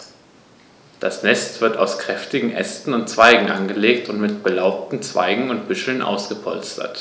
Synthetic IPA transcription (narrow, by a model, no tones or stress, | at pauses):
d̥asnɛstv̥ɪɐtaʊskʁ̥ɛftɪɡŋ̩ʔɛ̰stn̩ʊntt͡sv̥aɪɡŋ̩ʔanɡəleːk̚tʊntmɪt̚b̥əlaʊp̚tn̩t͡sv̥a̰ɪɡŋ̩ʊnt̚b̥ʏʃl̩nʔa̰ʊsɡ̥əpʰɔ̰lstʰɐ̰t